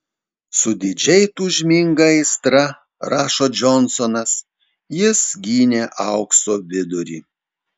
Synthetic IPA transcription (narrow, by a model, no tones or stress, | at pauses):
sʊd̪ʲɪd͡ʒʲɛɪt̪uːʒʲmʲiŋɡɐɪst̪ɾɐ | ɾɑːʃoːd͡ʒɔnsɔnɐs | jɪsɡʲiːnʲeːʔɐʊksoːbʲɪd̪ʊɾʲḭː